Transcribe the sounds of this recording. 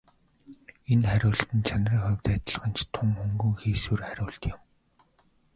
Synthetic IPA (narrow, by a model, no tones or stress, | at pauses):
enχæɾʲʊːɬt̪ɘ̆nt͡ɕʰanriːŋχʊwʲt̪æt̪̆ɮ̆χə̆nt͡ɕt̪ʰʊŋxɵŋɡɵ̆ŋxiːsuːrχæɾʲʊːɬt̪jʊ̆m